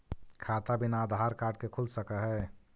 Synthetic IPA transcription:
kʰaːt̪abɪnaːd̪ʱaːɾkaːɖ̚kekʰulsəkəɦɛ

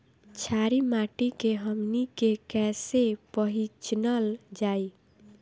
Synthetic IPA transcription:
t͡ʃʰaɾimaʈikeɦəmnikekɛsepəɦit͡ʃnəld͡ʒaj

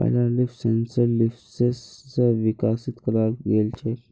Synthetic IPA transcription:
a̰lalifsent͡səlifsest͡səʋikasit̪kəɾalɡelt͡ɕe

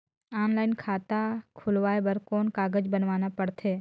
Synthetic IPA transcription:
aːnlaːɪnkʰaːt̪akʰʊlʋaːebəɾkoːnkaːɡəd͡ʒbənʋaːnapəɽt̪ʰeː

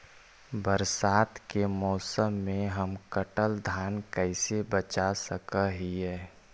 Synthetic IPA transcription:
bəɾsaːt̪kemɔːsəmːẽɦəmkəʈəld̪ʱaːnkɛɪsebət͡ʃasəkaɦiɦɛː

